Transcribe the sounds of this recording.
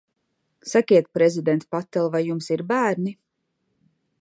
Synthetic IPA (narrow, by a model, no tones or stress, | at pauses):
sakʲiɛt̪̚pɾezid̪ɛnt̪pat̪ːɛlˠvajːumsiɾbæːɾni